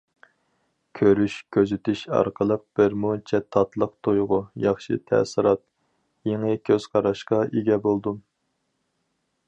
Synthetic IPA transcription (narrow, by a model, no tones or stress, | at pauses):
kʲʰøɾyʃkʲʰøzyt̪ʰyʃɑ̰ɾqʰəlˠəq̚b̥ɪɾmut͡ʃʰɛt̪ʰːɑt̪lˠəq̚t̪ʰojʁʊjɑχʃɨ̰t̪ʰɛ̰sɪɾɑt̪̚ | jeŋɨkʲʰøz̥qʰɑɾɑʃqɑeɡʲɛbolˠd̪u